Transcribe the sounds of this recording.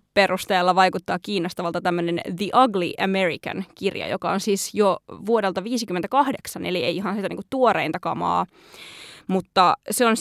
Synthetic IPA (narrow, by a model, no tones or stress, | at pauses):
peɾust̪eːlːɑʋɑjkut̪ːɑːkiːnost̪ɑʋɑlt̪ɑt̪æmːønenðiʔɑɡlḭʔæmerḭkɑ̰nkirjɑ̰jo̰kɑonsiːsjoʋuodelt̪ɑʋiːsikymːent̪ækɑhdeksɑneliḛiiɦɑnsit̪ænḭːŋkut̪t̪uorḛint̪ɑkɑmɑ̰ː | mut̪ːɑseons